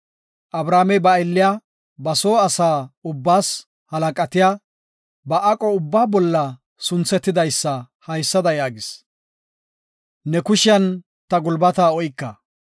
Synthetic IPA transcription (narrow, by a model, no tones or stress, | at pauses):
ʔɐbɾaːmɛbɐɛlːɪja | bɐsoːɐsaːʊbːaːs | hɐlɐkʼɐt̪ɪjaː | bɐʔɐkʼɔʊbːaːbɔlːɐ | sʊnt͡sɛt̪ːɪd̪ɐjsːɐ | hɐjsːɐd̪ɐjaːɡɪs | nɛkʊʃɪjɐn | t̪ɐɡʊlbɐt̪aːɔjkːɐ